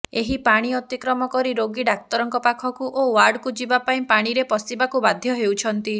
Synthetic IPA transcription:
eɦipaɽ̃iɔt̪ikɾɔmɔkɔɾiɾoɡiɖak̚t̪ɔɾɔŋkɔpakʰɔkuʔowaɾɖkud͡ʒibapaĩpaɽ̃iɾepɔsibakubad̪ʱjɔɦewt͡ʃʰɔnt̪i

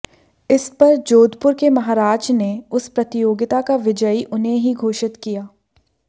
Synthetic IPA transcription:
ɪspɐɾd͡ʒoːd̪ʱpʊɾkemɐɦaːɾaːd͡ʒneʊspɾɐt̪ɪjoːɡɪt̪akaʋɪd͡ʒəiʔʊnɦẽɦiɡʱoːʃɪt̪kijaː

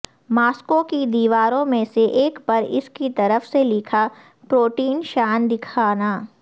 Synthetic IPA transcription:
maːskokid̪iːʋaːɾõmẽseʔeːkpɐɾɪ̰skit̪ɐɾəfselɪkʰa | pɾoːʈiːnʃaːnd̪ɪkʰaːnaː

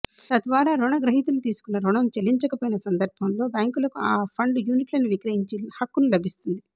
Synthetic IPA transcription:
t̪ɐd̪ʋaːɾaːɾuɳɐɡɾɐɦit̪ulut̪iːsu̥kunːɐɾuɳɐmt͡ʃelːiɲt͡ʃɐkɐpoːjinɐsɐnd̪ɐɾbʱɐmlo̞ːbaːŋkulɐkuaːpʰɐɳɖjuːniʈlɐnuʋikɾɐjiɲt͡ʃihɐkːunulɐbʱist̪und̪i

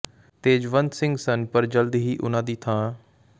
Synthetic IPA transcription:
t̪eːd͡ʒʋə̃nd̪sɪ̃ŋɡsənpəɾd͡ʒəld̪ɦiːʔʊ̰nãːd̪iːt̪ʰãː

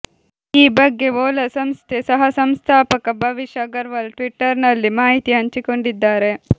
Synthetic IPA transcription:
iːbɐɡːe̞ɔːlɐsɐmst̪ʰesɐɦɐsɐmst̪ʰaːpɐkɐbʱɐʋiʃɐɡɐɾʋɐlʈʋiʈːɐɾnɐlːimaːɦit̪iɦɐɲt͡ʃiko̞ɳɖid̪ːaːɾe̞

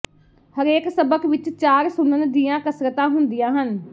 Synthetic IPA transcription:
həɾeːksəbəkʋɪt͡ʃt͡ʃaːɾsʊnənd̪ijãːkəsɾət̪ãːɦʊnd̪ɪjãːɦən

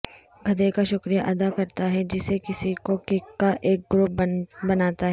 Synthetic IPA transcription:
ɡʱɐd̪ekaʃʊkɾijaʔɐd̪akɐɾt̪aɦɛd͡ʒɪsekɪsikokɪkːaʔeːk̚ɡɾʊp̚bbɐnaːt̪aɦɛː

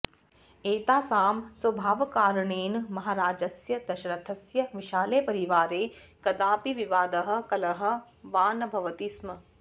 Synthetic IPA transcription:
eːt̪aːsaːmswɐbʱaːʋkaːɾɳeːnmɐɦaːɾaːd͡ʒɐsjɐd̪ɐʃɐɾɐt̪ʰɐsjɐʋɪʃaːleːpɐɾiʋaːɾeː | kɐd̪aːpiʋiʋaːd̪ɐɦɐ̆kɐlɐɦɐ̆ | ʋaːnɐbʱɐʋɐt̪ismɐ

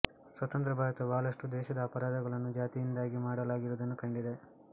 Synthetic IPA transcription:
sʋɐt̪ɐnt̪ɾɐbʱaːɾɐt̪ɐbaːlɐʂʈud̪ɛːʃɐd̪ɐːpɐɾaːd̪ɐɡɐɭɐnːud͡ʒaːt̪ijind̪aːɡimaːɽɐlaːɡiɾuːd̪ɐnːukɐɳɖid̪e̞

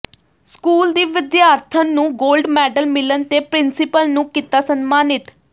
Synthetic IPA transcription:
skuːld̪iːʋɪd̪jaːɾt̪ʰənːũːɡoːlɖmɛːɖəlmɪlənt̪eːpɾɪnsɪpəlnũːkit̪aːsənmaːnɪt̪

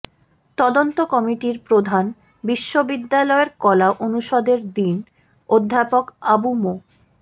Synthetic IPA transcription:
t̪ɔd̪ont̪okɔmiʈiɾpɾod̪ʱan | biʃːobid̪ːalɔeɾkɔlaʔonuʃɔd̪eɾd̪in | od̪ʱːapokabumo

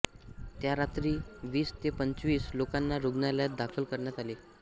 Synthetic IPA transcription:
t̪jaɾat̪ɾiːʋiːst̪epəɲt͡sʋiːslokanːaɾuɡnaljat̪̚d̪akʰəlkəɾɳjat̪ale

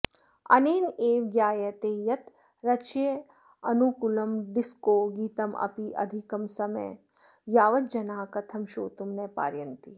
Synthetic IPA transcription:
ɐ̰neːneːʋjaːjɐt̪eːjɐt̪ | ɾɐt͡ʃje | ɐnukulɐmɖiskoːɡiːt̪ɐmʔɐ̰piʔɐ̰d̪ʱikɐmsɐmɐ̰j | jaːʋɐt̪̚d͡ʒɐnaːkɐt̪ʰɐmʃo̰ːt̪umnepa̰ːɾjɐnt̪i

